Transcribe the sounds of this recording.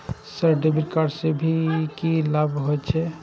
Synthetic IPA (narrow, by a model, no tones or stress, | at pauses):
səɾɖebiɾkaɾsebʱikilabʱɦoɛt͡ʃʰɛ